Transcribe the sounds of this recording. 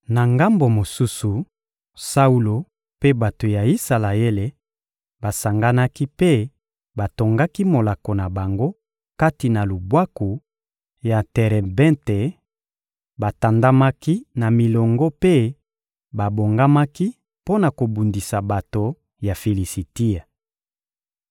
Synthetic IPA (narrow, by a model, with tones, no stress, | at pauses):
na˨ŋɡa˦mbo˨mo˨su˦su˨ | sa˦u˦lo˨ | pe˦ba˨to˨ja˨i˦sa˨la˨e˦le˨ | ba˨sa˨ŋɡa˦na˦ki˦pe˦ | ba˨to˨ŋɡa˦ki˦mo˨la˨ko˨na˨ba˨ŋɡo˦ | ka˦ti˨na˨lu˨bwa˦ku˨ | ja˨tɛ˨ʁɛ˨bɛ̃˦nte˨ | ba˨ta˨nda˦ma˦ki˦na˨mi˨lɔ˨ŋɡɔ˦pe˦ | ba˨bo˨ŋɡa˦ma˦ki˦ | po˦na˨ko˨bu˨ndi˨sa˨ba˨to˨ | ja˨fi˨li˨si˨ti˦a˨